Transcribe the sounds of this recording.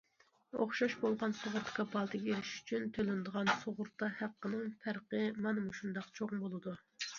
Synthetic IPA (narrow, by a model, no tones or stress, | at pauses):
o̰χʃɑʃbolˠʁɑnsoʁʊɾt̪ʰkʰɑpʰɑlˠt̪ʰɨɡʲeelɪʃy̥t͡ʃʰynt̪ʰølɪnd̪əʁɑnsoʁʊɾt̪ːɑhæqːənɨŋpʰæɾqəmɑnɨmuʃund̪ɑqt͡ʃʰoʁbolˠɨd̪u